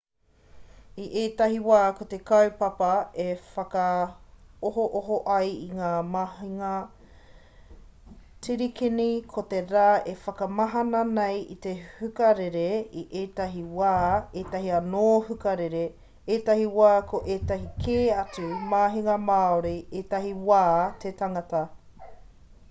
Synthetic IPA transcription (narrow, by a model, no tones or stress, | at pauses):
iʔeːt̪ɐɦiwaːkot̪e̞kɐwpɐpɐefɐkɐ | oɦoʔoɦoʔɐjiŋaːmahiŋɐ | t͡siɾikinikʰot̪eɾaːefɐkɐmɐɦɐnɐnejit̪e̞hʉkɐɾeɾeiʔeːtɐɦiwaːeːtɐɦiɐnoːhʉkɐɾeɾe | eːtɐhiwaːkoʔeːtɐɦikʰeːɐtumaːɦiŋɐmaːoɾiʔeːtɐɦiwaːtʰetɐŋɐtɐ